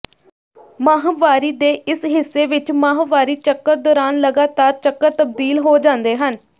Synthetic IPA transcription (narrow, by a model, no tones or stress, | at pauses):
maːɦʋaːɾiːd̪eːʔɪsɦɪsːeːʋɪt͡ʃmaːɦʋaːɾiːt͡ʃəkːəɾd̪ɔːɾaːnləɡaːt̪aːɾt͡ʃəkːəɾt̪əb̚d̪iːlɦoːd͡ʒãːnd̪eːɦən